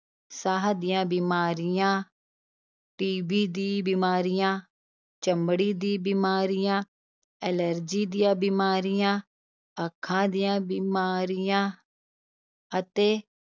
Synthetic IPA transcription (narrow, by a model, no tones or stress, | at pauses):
saːɦd̪ɪjãːbiːmaːɾɪjãː | ʈiːbiːd̪iːbiːmaːɾɪjãː | t͡ʃəmbɽiːd̪iːbiːmaːɾɪjãː | ɛːləɾd͡ʒiːd̪ijãːbiːmaːɾɪjãː | əkʰːãːd̪ijãːbiːmaːɾɪjãː | ət̪eː